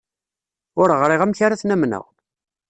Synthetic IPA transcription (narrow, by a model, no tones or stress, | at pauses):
ʊɾʁɾˤiʁæmçaɾaθnæmnə̰ʁ